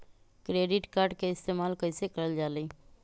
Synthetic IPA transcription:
kɾeːɖɪʈkaːɾɖkeɪst̪eːmaːlkəɪsekɐɾəld͡ʒaːləː

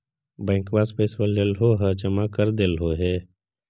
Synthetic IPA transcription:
bɛ̃ːŋkbaːspeːsbəlːelɦoɦəd͡ʒəmakəɾd̪eːlɦoɦɛː

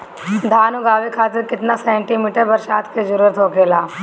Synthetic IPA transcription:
d̪ʱaːnuɡaːʋekʰaːt̪ɪɾkɪt̪nasɛ̃ːɳʈimiːʈəɾbɐɾʃaːt̪ʰked͡ʒuɾuəɾt̪ɦoːkeːlaː

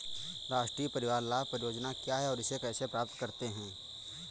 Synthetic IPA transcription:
ɾaːʃʈɾiːəpɐɾɪʋaːɾlaːpəɾjoːd͡ʒnakjaɦɛɔːɾɪsekɛːsepɾaːp̚t̪kɐɾt̪eɦɛ̃ː

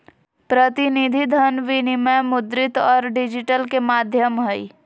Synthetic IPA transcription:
pɾət̪inid̪ʱid̪ʱənʋinimẽmʊd̪ɾɪt̪ɔːɾɖɪd͡ʒɪʈəlkemaːd̪ʱjəmɦəi

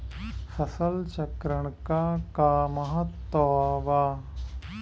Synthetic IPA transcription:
fɐsɐlt͡ʃɐkɾɐɳkaːkaːmɐɦɐt̪ːɔːʋaː

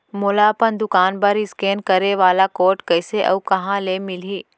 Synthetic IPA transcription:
mʊlapənd̪ʊkaːnbɐɾɪskeːnkɐɾeʋaːlakoːɾʈkɐɪseʔɐ̰ukɐɦãlemɪliː

